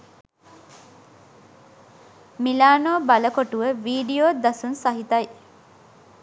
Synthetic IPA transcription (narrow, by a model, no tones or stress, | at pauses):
milaːnoːbaləkoʈuʋəʋiːɖijoːd̪ɐsunsaɦit̪ɐj